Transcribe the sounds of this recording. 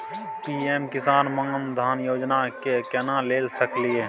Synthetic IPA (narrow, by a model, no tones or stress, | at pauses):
piːeːmkɪsaːnmaːnd̪ʱaːnjoːd͡ʒnakekɛnãleːlsəklieː